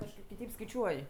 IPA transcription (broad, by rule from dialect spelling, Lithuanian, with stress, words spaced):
kɐʃˈkɐɪp kʲɪˈtɐɪp skɐɪˈt͡ʃʲuɔj